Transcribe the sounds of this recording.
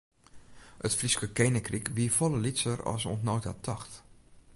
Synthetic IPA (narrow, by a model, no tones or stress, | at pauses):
ətfriskəkejnəkrikʋiːfɔləlisərɔ̰sontnowta̰tʰɔxt